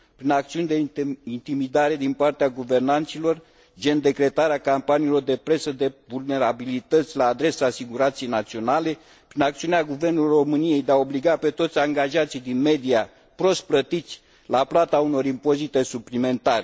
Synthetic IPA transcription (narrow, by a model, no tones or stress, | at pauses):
pɾinakt̪siunʲd̪eint̪imid̪aɾe̞d̪inpart̪eaɡuve̞rnant̪silo̞r | d͡ʒe̞nd̪e̞kɾe̞t̪aɾeakampanilo̞rd̪e̞pɾe̞səd̪e̞vulne̞ɾabilit̪ət̪sʲlaːd̪ɾe̞saːsiɡuɾant̪sijejnat̪sio̞nale̞ | pɾinak̚t̪siuneaɡuve̞rnuluro̞mɨnije̞jd̪eao̞bliɡape̞t̪o̞t̪sʲaŋɡaʒat̪sijd̪inme̞d̪ia | pɾo̞st̪̚plət̪it̪sʲ | laplat̪auno̞ɾimpo̞zit̪e̞suplime̞nt̪aɾe